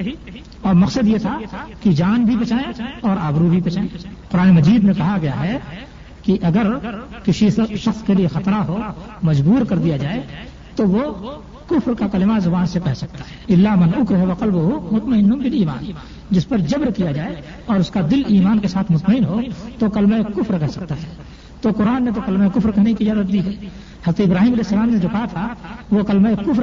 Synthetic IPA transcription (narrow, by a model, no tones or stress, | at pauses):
ɔːɾmɐqsəd̪jet̪ʰakid͡ʒaːnbʱibɐt͡ʃaːẽɔːɾaːbɾubʱibɐt͡ʃaːẽqʊɾaːnemɐd͡ʒiːd̪mẽkɐɦaɡɐjaɦɛ | kiʔɐɡəɾkɪsiʃɐxskeliexɐt̪ɾaɦo | mɐd͡ʒbuːɾkɐɾd̪ijad͡ʒaːe | t̪oʋo | kʊfɾkakɐlɪmazʊbaːnsekɛɦsɐk̚t̪ḁɦɛɪlːamɐnʊkɾɦeʋɐqɐlbʊɦumʊt̪məɪnːʊmbɪliːma̰ːn | d͡ʒɪspɐɾd͡ʒɐbɾkijad͡ʒaːe | ɔːɾʊskad̪ɪliːmaːnkesaːt̪ʰmʊt̪məɪnɦot̪okɐlmaekʊfɾkɛɦsɐk̚t̪aɦɛː | t̪okʊɾaːnːet̪̬okɐlmaekʊfɾkɛɦnekizjaːd̪ət̪̚d̪iɦɛː | həɐzɾət̪eɪbɾaːɦiːmɐlɛːɦɛsːəlaːmned͡ʒoːkaɦat̪ʰaʋokɐlmaekʊfɾ